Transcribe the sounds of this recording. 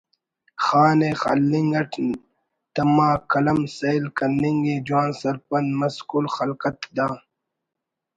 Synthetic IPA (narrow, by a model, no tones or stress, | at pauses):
xaːneːxa̰lːiŋɡɐʈʰ | t̪ɐmaːkɐlɐmsɐjlkɐniŋɡeːd͡ʑwaːnsɐɾpɐnmɐskulxɐlkɐt̪d̪aː